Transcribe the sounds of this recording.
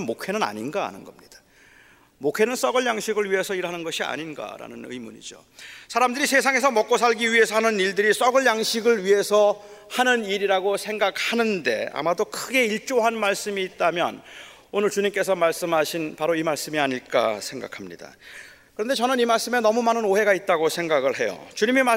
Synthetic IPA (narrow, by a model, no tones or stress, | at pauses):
nmokʰe̞nɯna̰ɲinɡa̰ːnɯnɡʌmɲid̥ḁ | mokʰe̞nɯns͈ʌɡʌɭjaŋɕʰiɡɯɭɥiɦe̞sʰʌiɭɦanɯnɡʌɕʰia̰ɲinɡa̰ɾa̰nɯnɯ̰jmuɲḭd͡ʑo̰ | sʰaɾamdɯɾisʰe̞sʰaŋes̬ʰʌmʌk͈osʰaɭɡiɥiɦe̞sʰʌhanɯniɭdɯɾis͈ʌɡɯɭjaŋɕʰiɡɯɭɥiɦe̞sʰʌ | hanɯniɾiɾaɡosʰe̞ŋɡak̚hanɯnde̞a̰madokʰɯɡe̞iɭt͡ɕ͈oɦanmaɭs͈ɯmiːt̚t͈amjʌ̰n | onɯɭt͡ɕuɲimk͈e̞sʰʌmaɭs͈ɯmɦaɕʰinpaɾoimaɭs͈ɯmiaɲiɭk͈a̰sʰe̞ŋɡa̰kʰamɲḭda̰ | kɯɾʌnde̞t͡ɕʌnɯnimaɭs͈ɯmenʌmumanɯnoɦe̞ɡait̚t͈aɡosʰeŋɡaɡɯɭɦe̞jo̰t͡ɕuɲimima